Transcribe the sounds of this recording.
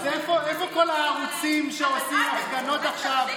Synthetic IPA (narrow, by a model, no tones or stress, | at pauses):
ɛfoɛfokolaːʁut͡simʃeosimasɡanotaχʃav